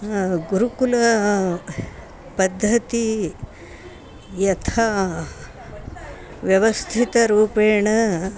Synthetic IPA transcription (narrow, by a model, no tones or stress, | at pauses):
ɡuɾukulɐ | pɐd̪ʱːɐt̪i | jɐt̪ʰa | ʋjɐʋɐst̪ʰit̪ɐɾuːpeːɳɐ